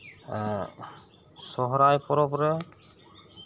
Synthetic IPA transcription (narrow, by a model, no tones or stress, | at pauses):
sɔɦɔɾajpɔɾɔpɔɾɛ